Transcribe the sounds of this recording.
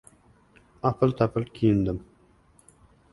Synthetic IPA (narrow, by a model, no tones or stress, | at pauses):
ɑpʰɨlt̪ʰɑpʰɨlkʲʰijɪnd̪ɪm